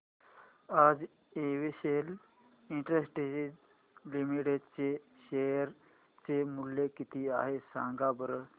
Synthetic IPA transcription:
ad͡z | eʋiɕel | iɳʈɾesʈe | limiʈeɖt͡se | ɕejəɾ | t͡semuljekit̪iːa̰ɦesãŋɡabəɾə

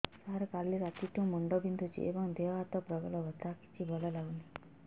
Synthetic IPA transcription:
saɾkalːiɾat̪iʈũməɳɖɔbind̪ʱut͡ʃḭʔḛʋɔŋd̪eʋat̪ɔpɾəɡəlɔʋət̪aki̥t͡ʃʰibʱɔlɔlawni

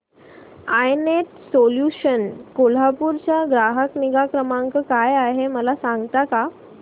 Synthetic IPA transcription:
ajnet̪soljuɕənkol̤apuɾt͡ɕjaɡɾaɦəkniɡakɾəmãŋkəkajaɦeməlasãŋɡt̪aka

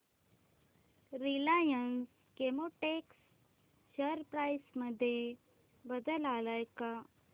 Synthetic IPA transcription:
ɾilajəns | kemoʈeks | ɕəɾpɾajsməd̪ʱːje | bəd̪əlalajka

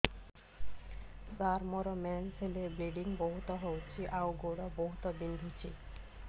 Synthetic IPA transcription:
saɾmɔɾɔmɛnsʰelebɾiɖiŋboɦut̪ɔɦowt͡ɕʰiʔawɡoɽɔboɦut̪ɔbind̪ʱit͡ɕʰḭ

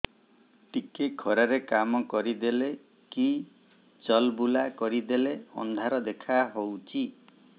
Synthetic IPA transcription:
ʈikeɡʰʱɔɾaɾekamɔkɔɾid̪ele | ki | t͡ʃɔlbulakɔɾid̪eleɔ̰nd̪ʱaɾɔd̪ekʰaɦowt͡ʃʰi

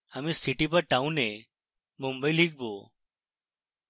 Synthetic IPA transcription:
əmĩːsiʈiːpəɾʈaːũne | mʊmbəiːliːɡ̚bʱoː

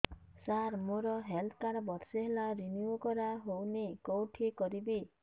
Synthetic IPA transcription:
saɾmoɾɔɦelt̪ʰkaɾɔbɔɾseɦelaɾiniokɔɾaɦownekowʈʰikɔɾibi

